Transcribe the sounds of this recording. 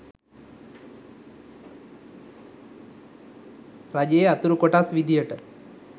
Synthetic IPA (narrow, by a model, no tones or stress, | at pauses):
rad͡ʒejeat̪uɾukoʈasʋid̪ijəʈə